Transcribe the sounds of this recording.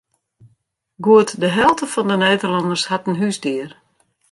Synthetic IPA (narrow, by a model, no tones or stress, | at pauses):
ɡuətdəɦɛlˠtəfɔndəneːdərlɔndərshatənɦysdiər